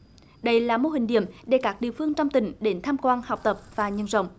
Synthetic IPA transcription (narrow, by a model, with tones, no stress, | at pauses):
ɗə˧jlaː˨˩mo˧hï˨˩ŋ̟ɗḭ˧˨əmɗe˧˩kaː˦˥k̚ɗḭ˧˨əfɨ˧əŋt͡ɕɔ˧wŋ͡mt̪ï˧˩˦ŋ̟ɗe˨˦nt̪ʰaː˧mkwaː˧nha˨˩wk͡p̚t̪ə˨˩p̚vaː˨˩ɲə˧˩nzə̰˧˨wŋ͡m